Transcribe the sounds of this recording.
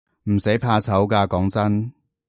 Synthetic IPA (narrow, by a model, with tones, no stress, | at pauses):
m̩˨˩se˨˥jpʰaː˧t͡sʰɐ˨˥wkaː˧kɔː˨˥ŋt͡sɐ˥n